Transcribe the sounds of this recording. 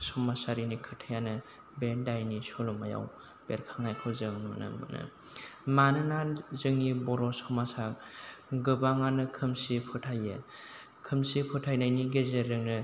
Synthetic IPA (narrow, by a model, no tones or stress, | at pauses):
sɔmasaɾinikʰɯtʰajanɯ | bedajnisɔlumaja̰w | b̥eɾkʰaŋajkʰɔzɯŋnunɯ̰mɯ̰nɯ̰ | manɯnaɾzɯŋnibɔɾɔsɔmasa | ɡɯbaŋanɯkʰɯmsipʰɯtʰajɯ̰ | kʰɯmsipʰɯtʰajnajniɡezeɾɯŋnɯ